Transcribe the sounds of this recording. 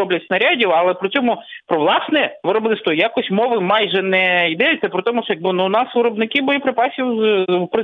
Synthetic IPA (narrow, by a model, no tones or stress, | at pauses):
ɔblʲɐtʲsʲnɐɾʲadʲiwɐlˠɛpɾɔt͡sʲɔmʊpɾɔʋlˠɑsnɛʋɪɾɔblˠɪst̪ʋɔjakɔsʲtʲmɔʋɪmɑjʒɛnɛid̪ɛj̪ʲɛpɾɔt̪ɔmʊʃɔjɐɡ̚bɪnuʊnɑsʋɪɾɔbnɪkɪbɔjɔpɾɪpɑsʲiwzpɾɪ